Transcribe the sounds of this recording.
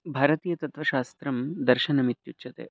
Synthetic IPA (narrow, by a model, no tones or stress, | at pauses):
bʱaːɾɐt̪iːjɐt̪ɐt̪ʋɐʃaːst̪ɾɐmd̪ɐɾʃɐnɐmit̪jutːt͡ʃɐt̪ḛː